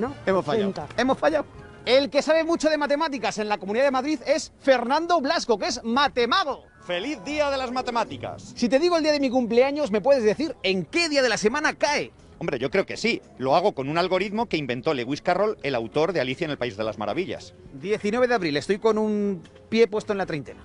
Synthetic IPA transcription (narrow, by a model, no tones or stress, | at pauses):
noemosfae̞mo̞sfaʎaw | e̞lke̞saβ̞e̞mut͡ʃo̞ð̞e̞mat̪e̞mat̪ikase̞nlakomuniðaðemaðɾiðe̞sfe̞ɾnãnd̪o̞βlasko̞ke̞smat̪e̞maɣ̞o̞ | fe̞liθðiaðe̞lazmat̪e̞mat̪ika̰ssit̪e̞ðiɣ̞old̪iaðe̞mik̬umple̞aɲo̞zme̞p̬we̞ðe̞zðe̞θiɾe̞ŋke̞ðiaðe̞lase̞mãnakae | ombɾe̞ʝo̞kɾe̞oke̞silo̞aɣ̞o̞ko̞nunalɣo̞ɾiðmo̞keimbe̞nt̪o̞leɣwiskaro̞le̞lawt̪o̞ɾðealiθjaenelpaizðe̞la̰zma̰ɾa̰βiʎa̰sd̪je̞θinwee̞ðeaβɾile̞st̪o̞jko̞num | pje̞pwe̞st̪oe̞nlat̪ɾejnt̪e̞na̰